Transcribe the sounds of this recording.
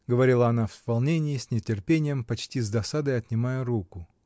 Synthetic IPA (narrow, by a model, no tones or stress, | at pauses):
ɡəvɐɾʲilˠəɐnafspɐlˠnʲenʲɪɪsʲnʲɪtʲɪrpʲenʲɪjəmpɐt͡ɕtʲizd̪ɐsad̪əjɐt̪nʲɪmajəɾukʊ